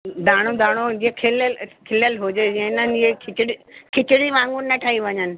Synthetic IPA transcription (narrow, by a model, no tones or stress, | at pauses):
d̪aːɽ̃od̪aːɽ̃od͡ʑiːəkʰɪləlkʰɪləlɦʊd͡ʑed͡ʑɛɪnənɪ̆d͡ʑikʰɪt͡ɕɪɽikʰɪt͡ɕɪɽiʋãːŋɡʊnnɐʈʰaːiʋɐɲənɪ̆